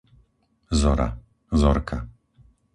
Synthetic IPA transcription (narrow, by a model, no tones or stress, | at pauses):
zɔɾa̰ | zɔɾkʰa